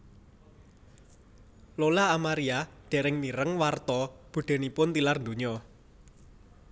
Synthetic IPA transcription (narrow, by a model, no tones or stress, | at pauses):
lolaːmaɾiad̪̥ɛ̤ɾɪŋmiɾəŋwart̪ɔb̥ṳɖ̪̥e̤nipʊnt̪ilarnd̪oɲɔ